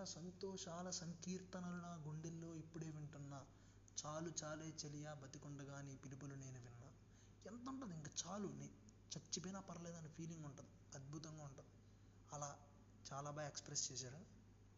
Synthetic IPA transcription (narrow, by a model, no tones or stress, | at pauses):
ɐsɐnt̪oːʃaːlɐsɐŋkiːɾt̪ɐnɐlunɐɡuɳɖilːo̞ːipːuɽeːʋeɳʈunːɐ | t͡ʃaːlut͡ʃaːle̞ːt͡ʃelijaːbɐt̪ikɔɳɖɐɡaːnipilipɐlune̞ːnuʋinːaː | ent̪ɐuɳʈund̪iŋkat͡ʃaːluni | t͡ʃɐt͡ʃːipɐjnaːpɐɾɐleːd̪ɐnɐpʰiːliŋɡuɳʈund̪iɐd̪̚bʱut̪ɐŋɡaːuɳʈund̪i | ɐlaː | t͡ʃaːlaːbaːjɐekspɾest͡ʃɛːs̬aːɾu